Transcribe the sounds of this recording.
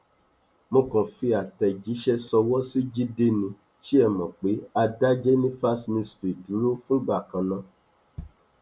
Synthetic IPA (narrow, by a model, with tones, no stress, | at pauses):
mõ˧kɔ̃˨fi˧a˨tɛ˨d͡ʒi˨˦ʃɛ˦sɔ˧wɔ˦si˦d͡ʒi˦de˧nĩ˧ | ʃi˦ɛ˦˨mɔ̃˨k͡pe˨˦a˧da˦d͡ʒɛ˦nĩ˦fa˦smĩ˧stɾi˨du˨˦ɾu˦fũ˦ɡ͡ba˦˨kã˨nã˧